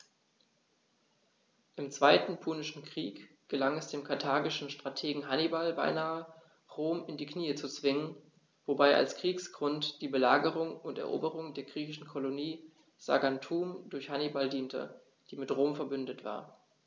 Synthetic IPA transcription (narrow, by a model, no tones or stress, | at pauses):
ʔɪmt͡sv̥aɪtn̩pʰuːnɪʃn̩kʁ̥iːk | ɡ̥əlaŋɛsd̥eːmkʰatʰaːɡɪʃn̩ʃtʁ̥atʰeːɡŋ̩ɦanibalba̰ɪnaːə | ʁoːmɪndiːkʰniːət͡sut͡sv̥ɪŋən | vobaɪʔa̰lskʁ̥iːksɡ̥ʁʊntd̥iːbəlaːɡəʁ̞ʊŋʊntɛ̰ɐʔo̰ːbəʁʊŋdeːɐɡʁiːçɪʃn̩kʰoloniː | z̥a̰ɡantʰuːmdʊɐçhanibaldiːntʰə̰ | d̥iːmɪtʁoːmfɛɐbʏndətv̥a̰ːɐ